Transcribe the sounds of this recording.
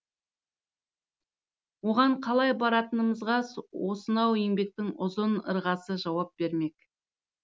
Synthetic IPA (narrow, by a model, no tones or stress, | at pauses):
wo̞ʁɑɴqʰɑlˠɑjbɑɾɑt̪ənəməzʁɑswo̞sənɑweŋbe̞k̚t̪ɪŋʊzʊnə̰ɾʁɑsəʒɑwɑp̚b̥e̞ɾme̞k